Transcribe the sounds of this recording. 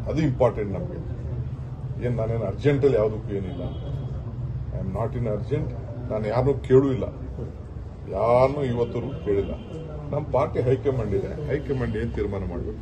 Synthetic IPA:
ɐd̪uimpaːɾʈeɳʈnɐmɐɡḛ | eːnnaːneːnɐɾd͡ʒeɳʈɐlːijaːʋɐd̪ukːue̞ːnilːa̰ | ɐ̰jmnaːʈinɐɾd͡ʒeɳʈnaːnjaːɾnuːke̞ːɭuːilːɐ̰ | jaːɾnuːiʋɐt̪ːɐɾuːke̞ːɭilːɐ̰ | nɐmːɐpaːɾʈiɦɐjkemɐɳɖid̪ḛɦɐjkemɐɳɖeːnut̪iːɾmaːnɐmaːɽbeːku

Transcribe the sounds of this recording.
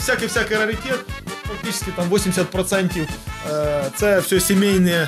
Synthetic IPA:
fsʲakɨjfsʲakɨjɾəɾʲɪtʲet̪̚fɐk̚tʲit͡ɕɪ̥skʲɪt̪amvosʲɪmʲdʲɪsʲat̪̚pɾɐt̪sɛnʲtʲɪ | t̪sɛfsʲɵsʲɪmʲejnəjə

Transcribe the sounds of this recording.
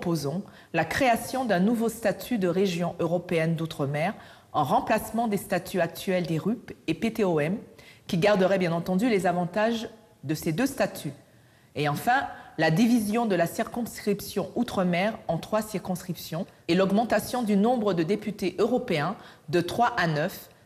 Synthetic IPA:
pozɔ̃ | lakχeasjɔ̃d̪ɛ̃nuvost̪at̪ʰyd̪əʁeʒjɔ̃ʔøʁɔpeɛnd̪ut̪χəmɛʁ | ɑ̃ʁɑ̃plasmɑ̃d̪est̪at̪ʰyak̚t̪ʰɥɛld̪eʁypepet̪eɔɛmkʲiɡaʁd̪əʁɛbjɛ̃nɑ̃t̪ɑ̃d̪ylezavɑ̃t̪aʒ | d̪əsed̪øst̪at̪ʰy | eɑ̃fɛ̃lad̪ivizjɔ̃d̪əlasiʁkɔ̃skχipsjɔ̃ut̪χəmɛʁɑ̃t̪χwasiʁkɔ̃skχipsjɔ̃elɔɡmɑ̃t̪asjɔ̃d̪ynɔ̃bʁəd̪əd̪epyt̪eʔøʁɔpeɛ̃d̪ət̪χwaʔanœf

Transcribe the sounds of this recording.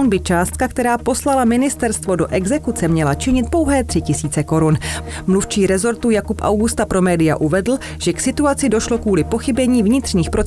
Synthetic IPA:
nbɪt͡ʃaːst̪̚kakt̪ɛɾaːpo̞slalamɪnɪst̪ɛɾst̪vo̞do̞ʔɛɡzɛkut͡sɛmɲɛlat͡ʃɪɲɪt̪̚po̞wɦɛːt̪r̥ɪcɪsiːt͡sɛko̞ɾun | mluft͡ʃiːɾɛzo̞ɾt̪ujakupʔa̰wɡust̪apɾo̞mɛːdɪja̰ʔuvɛdl̩ | ʒ̥ɛksɪt̪uat͡sɪdo̞ʃlo̞kuːlɪpo̞xɪbɛɲiːvɲɪt̪r̥ɲiːxpɾo̞

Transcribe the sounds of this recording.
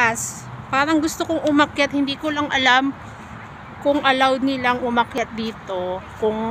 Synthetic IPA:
as | paːɾɐŋɡʊst̪okoŋʔʊmɐkjat̪̚hɪnd̪iːkolɐŋɐlam | kʊŋʔɐlawd̪̚nɪlaŋʔʊmɐkjat̪̚d̪iːt̪o̞kʊŋ

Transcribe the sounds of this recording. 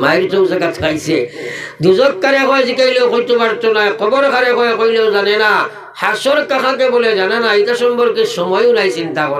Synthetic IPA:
majɾtɔwzaɡatʰkʰajsed̪uzɔkːaɾekɔjzikajlewkojt̪ebaɾtɔnajkɔbɔɾkʰaɾekɔjekojlewzanena | hasɔɾkakʰãkebɔlezananaitasɔmbɔɾkesɔmɔjunajsintakɔɾ

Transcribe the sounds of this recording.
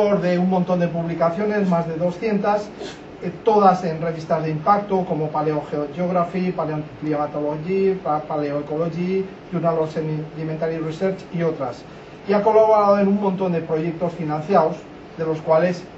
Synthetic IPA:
oɾðe̞uŋmõnt̪o̞nd̪e̞puβlikaθjo̞ne̞zmazðe̞ðo̞sθje̞nt̪as | t̪o̞ðase̞nre̞β̞ist̪azðeimpak̚t̪oko̞mopaleo̞xeoʝeoɣ̞ɾafipaleopliamat̪oloʝipaleoeko̞loʝi | unalosenliment̪aɾjirese̞ɾt͡ʃio̞t̪ɾas | iako̞laβo̞ɾaðoenummõnt̪o̞nd̪e̞pɾo̞ʝe̞k̚t̪o̞sfinãn̟θjaos | ðe̞lo̞skwale̞s

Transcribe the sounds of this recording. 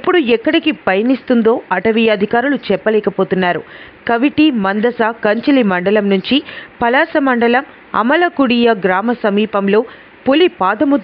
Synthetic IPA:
ipːuɽuɛkːɐɽikipɐjɐnist̪und̪o̞ːɐʈɐʋijɐɐd̪ʱikaːɾulut͡ʃɛpːɐlɛːkɐpo̞ːt̪unːaːɾu | kɐʋiʈimɐnd̪ɐsaːkɐɲt͡ʃɐlimɐɳɖɐlɐmnuɲt͡ʃipɐlaːsɐmɐɳɖɐlɐm | ɐ̰mɐlɐkuɽijɐɡɾaːmɐsɐmiːpɐmlo̞ː | pulipaːd̪ɐmud̪

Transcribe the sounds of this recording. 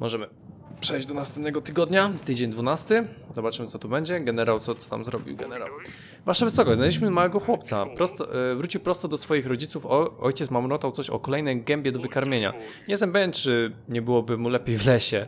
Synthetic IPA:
mʔɔʐɛmɘ | pʂɛjd͡ʑd̪ɔnast̪ɛmpnɛɡɔt̪ɘɡɔd̪ɲat̪ɘd͡ʑeɲd̪vunast̪ɘzɔbat͡ʂɘmɘt̪sɔt̪ubɛɲd͡ʑɛɡɛnɛɾawt̪sɔt̪ɔ̥t̪a̰mzɾɔbʲḭwɡɛnɛɾa̰w | vaʂavɘsɔkɔɕd͡ʑzalʲiɕmɘmawɛɡɔxwɔp̚t̪sapɾɔst̪vɾut͡ɕiwpɾɔst̪ɔd̪ɔsfɔjixɾɔd͡ʑit̪sufɔɔjt͡ɕɛt̪smamɾɔt̪awt̪sɔɕɔ̰kɔlɛjnɛɡɛmbʲɛd̪ɔvɘkaɾmʲjeɲa̰ɲɛsɛmpɛvʲɛnt̪t͡ʂɘɲɛbɘwɔbɘmulɛpʲjejvlɛɕɛ

